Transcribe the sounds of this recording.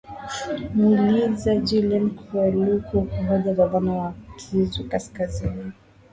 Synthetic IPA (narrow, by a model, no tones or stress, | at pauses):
mːlizad͡ʒilɛmkuɛlukukuhɔʄabaðanawakʰizukaskazini